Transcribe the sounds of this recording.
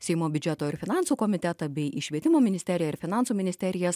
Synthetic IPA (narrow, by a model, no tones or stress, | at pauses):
sʲɛɪmoːbʲʊd͡ʒʲɛt̪oːɪɾfʲɪnɑˑnsuːkɔmʲɪt̪ʲɛt̪ɑbʲɛɪʔiːʃʲʋʲiɛt̪ʲɪmoːmʲɪnʲɪsʲt̪ʲɛɾʲɪjɛɪɾfʲɪnɑˑnsuːmʲɪnʲɪsʲt̪ʲɛɾʲɪjɛs